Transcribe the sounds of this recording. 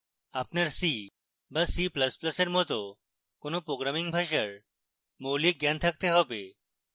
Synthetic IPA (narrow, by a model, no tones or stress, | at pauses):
apnaɾsi | basipləsplɐseɾmɔt̪o | konopɾoɡɾamiŋbʱaʃaɾ | mowlik̚ɡɛnt̪ʰak̚t̪eɦɔbe